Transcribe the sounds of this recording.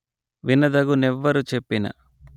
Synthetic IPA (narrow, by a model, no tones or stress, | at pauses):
ʋinɐd̪ɐɡunɛʋːɐɾut͡ʃe̞pːinɐ̰